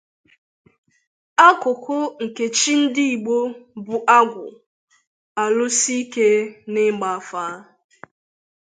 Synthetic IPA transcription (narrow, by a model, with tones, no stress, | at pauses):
a˦kʊ˨kʊ˦ŋ̩˨ke˨t͡ʃi˦n̩˦dɪ˦i˨ɡ͡bo˦bʊ˨ʔa˦ɡʷʊ̰˨ | a˨lʊ˦si˦i˦ke˦nɪ˦ɡ͡ba˨a˦faː˨˦